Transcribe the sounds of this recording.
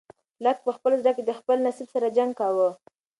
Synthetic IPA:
lək̚pəxpəlzd̪aked̪əxpəlnasibsaɾad͡ʒaŋɡ̚kɑwə

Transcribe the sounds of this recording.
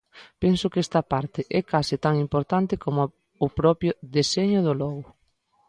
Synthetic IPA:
pɛnsʊkɛst̪ɐpaɾt̪ɪʔɛkasɪt̪aŋimpoɾt̪ant̪ɪkomʊː | pɾɔpjʊðeseɲʊðʊlɔɣʊ

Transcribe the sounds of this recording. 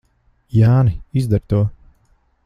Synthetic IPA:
jaːniizd̪aɾt̪uɔ

